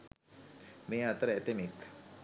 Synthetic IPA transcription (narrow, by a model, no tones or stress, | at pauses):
meːat̪əɾəɛt̪emek